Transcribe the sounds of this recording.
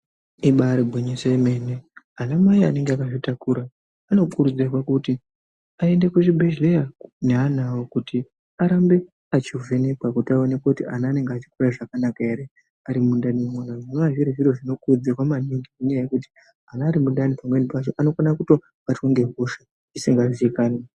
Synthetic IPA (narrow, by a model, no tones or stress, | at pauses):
iɓaɾibʱoɲeseime̞ne | anamaia̰ne̞ŋɡeakaʐitakuɾaː | no̞kuɾud͡zewakuti | ae̞nde̞kuʐibʱeʒlejaneɦanawokutʰi | aɾambe̞ | at͡ʃivʱe̞ne̞kwakutiao̞ne̞kautianaːne̞ŋɡeat͡ʃi̥kuɾaʐakanakaeɾe | aɾimundanimwonaʐinoaʐiɾiʐiɾoʐino̞kurud͡zewamaniŋɡimuɲejaje̞kut̬i̥ | anaːɾimuɗanipamɡwenipat͡ʃo̞ʔano̞fanakuto̞ | atoŋɡe̞ɦoʂe | isiŋɡaʐiikaːne